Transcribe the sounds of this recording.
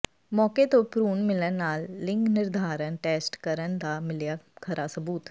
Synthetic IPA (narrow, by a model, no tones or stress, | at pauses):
mɔːket̪opɾuːnmɪlənːaːlːɪ̃ŋɡnɪɾd̪ʱaːɾənʈeːsʈkəɾənd̪aːmɪljaːkʰəɾʔaːsəbuːt̪